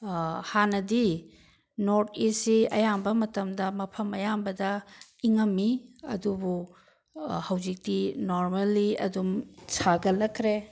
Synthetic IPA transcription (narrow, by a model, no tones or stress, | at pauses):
hanɐdi | noɾt̚ʰesiɐjambɐmɐtɐmdɐmɐpʰɐmɐjambɐdɐiŋɐmːiɐ̰dubu | hɐwzik̚tinoɾmalːiɐ̰dumsʰaɡɐlɐkʰɾe